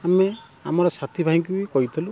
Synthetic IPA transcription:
ame | amɔɾɔsat̪ʰibʱaɦĩŋkubikɔɦit̪ʰilu

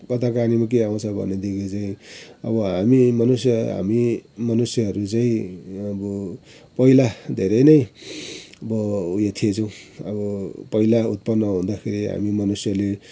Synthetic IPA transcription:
kʌt̪ʰakanimak̬eaw̃t͡sʰʌbʱʌ̰nːed̪ikit͡saĩʌ̰bʌɦamimʌnusjʌɦa̰mimʌnusjʌɦʌɾut͡saĩʌbʌ | pʌilad̪ʱeɾʌjnʌj | ʌbʌjet̪ʰiet͡sʌw̃ʌbʌpʌilaut̪̚pʌnːʌɦũnd̪akʰeɾiɦa̰mimʌnusjʌle

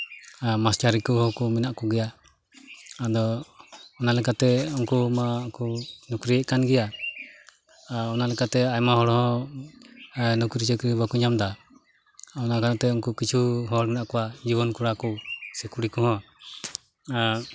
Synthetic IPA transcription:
mast͡ʃaɾikɔɦɔ̃kɔminaʔkɔɡɛja | ad̪ɔ | ɔnalɛkat̪ɛɔŋkumakunukɾiɛʔkanɡɛja | ɔnalɛkat̪ɛajmaɦɔɽhɔ̃ | nukɾit͡ʃɛkɾibakuɲamd̪a | ɔnakanat̪ɛuŋkukit͡ʃʰuɦɔɽminaʔkɔwad͡ʒibɔnkuɽakɔsɛkuɽikɔhɔ̃

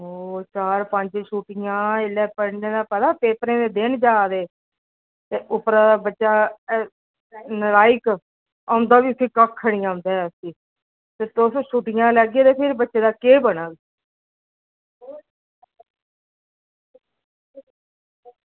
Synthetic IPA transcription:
oːt͡ʃaːɾpəɲd͡ʒʃuːʈɪjãːɪlɛːpəɽneːd̪aːpɛːd̪aːpeːpɾẽːd̪eːd̪ɪnd͡ʒaːd̪eː | t̪eːʔʊpɾãːd̪aːbətːʃaː | nəɾaːɪk | aʊ̃nd̪aːʋiːʊsiːkəkʰːəɽ̃ijãːʊ̃nd̪aːɛəsĩː | t̪eːt̪oːsoʃuːʈɪjãːlɛːɡeːt̪eːpʰɪɾbətːʃeːd̪aːkeːbəɽaːɡ

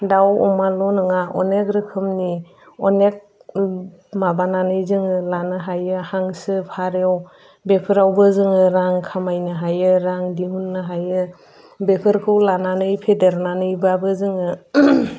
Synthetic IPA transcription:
dawɔmalɔnɯŋaʔɔnek̚ɾɯkʰɯmni | ɔnek̚ | mabananɯjzɯŋɯlanɯɦajɯhaŋsɯpʰaɾew | bepʰɯɾawbɯzɯŋɯɾaŋkʰamajnɯɦajɯɾaŋdiɦunːɯɦajɯ | bekʰɯɾkʰɯwlananɯjpʰedeɾnanɯjbabɯzɯŋɯ

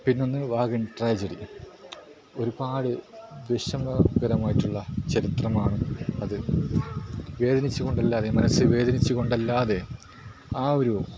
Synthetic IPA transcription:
pinːo̞nːɨʋaːɣɐnʈraːd͡ʑɐɽḭ | o̞ɾubaːɽɨʋeʂɐmɐɡɐɾɐmaːjiʈːuɭːɐt͡ɕɐɾit̪rɐmaːɳɨɐðɨ | ʋe̞ːd̪ɐnit͡ɕːuɣo̞ɳɖɐlːaːðe̞mɐnɐsːɨʋe̞ːd̪ʱɐnit͡ɕːuɣo̞ɳɖɐlːaːðe̞ | aːoɾu

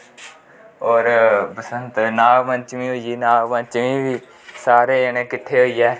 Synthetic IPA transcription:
ɔːɾpəsənt̪naːlmə̃t͡ʃmĩːɦoːiiːnaːɡmə̃nt͡ʃʋĩːʋiː | saːɾeːənẽːkɪt̪ʰːeːɦoːiːɛː

